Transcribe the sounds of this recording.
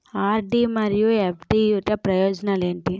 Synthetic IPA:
aːɾɖimɐɾijuepʰʈijuʈɐpɾɐjɔːd͡ʒɐnale̞ːɳʈi

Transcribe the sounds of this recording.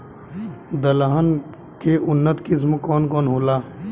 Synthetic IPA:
d̪ɐlaːɦən | keʔʊnːət̪kɪs̬mkɔːnkɔːnɦoːlaː

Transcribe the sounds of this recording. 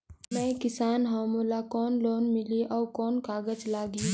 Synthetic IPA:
nɛkɪsaːnɦamolakɔːnloːnmɪliʔɔːkɔːnkaːɡəd͡ʒlaːɡi

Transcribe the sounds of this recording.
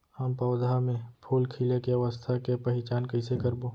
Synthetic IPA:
ampɐːd̪ʱamẽpʰuːlkʰilekeɐʋəst̪ʰakepəɦɪt͡ʃaːnkəɪsekəɾboː

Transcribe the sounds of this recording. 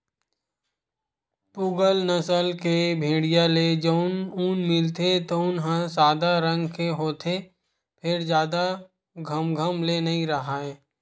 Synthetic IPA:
puɡəlnəsəlkebʱẽːɽijaled͡ʒoʊnunmɪlt̪et̪oʊnɦə̃saːd̪aɾə̃ŋɡkeɦoːt̪ʰe | pʰɪɾd͡ʒjaːd̪a | ɡʱəmɡʱəmlenɐɦĩɾəɦaɛː

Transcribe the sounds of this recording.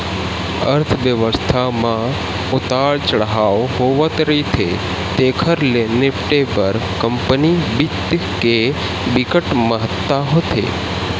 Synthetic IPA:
ə̰ɾt̪ʰʋjəʋəst̪ʰamã | ʊt̪aɭt͡ʃəɽɦaʋɦoʋət̪ɾit̪ʰḛ | t̪ekʰəɾlenepʈebəɾkəmpənibit̪ | ke | bikəʈməɦət̪ːaɦot̪ʰḛ

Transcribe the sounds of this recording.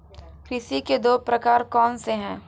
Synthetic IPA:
kɾɪʃiked̪oːpɾɐkaːɾkɔːnseɦɛ̃ː

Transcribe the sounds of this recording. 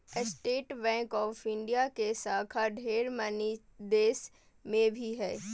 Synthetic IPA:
ɪsʈeːʈbɛ̃ːŋkɔːfɪ̃ɳɖijakesaːkʰaɖʱeːɾməni | d̪eːs | mẽbʱiɦɛː

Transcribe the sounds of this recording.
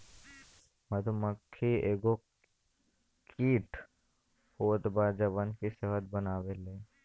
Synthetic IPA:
məd̪ʱuməkʰːieːɡo | kʰiːʈ | hoːt̪baːd͡ʒəbənkiseɦət̪̚bənaːʋeleː

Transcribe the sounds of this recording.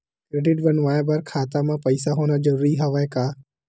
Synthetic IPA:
kɾeːɖɪʈbənʋaːjabaɾkʰaːt̪amãpɐɪsaɦoːnad͡ʒəɾuːɾiɦɐʋaːekaː

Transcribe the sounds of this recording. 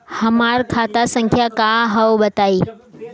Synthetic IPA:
həmaɾkʰat̪asəŋkʰjakaɦəwbət̪ai

